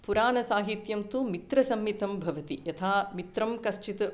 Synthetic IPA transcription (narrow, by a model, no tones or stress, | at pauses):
puɾaːnɐsaːɦit̪jɐmt̪umit̪ɾɐsɐmjit̪ɐmbʱɐʋɐt̪ijɐt̪ʰaːmit̪ɾɐmkɐst͡ʃit̪ɐ